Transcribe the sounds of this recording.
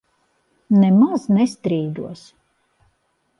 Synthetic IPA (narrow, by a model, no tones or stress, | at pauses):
nɛmaznɛst̪ɾiːd̪uɔs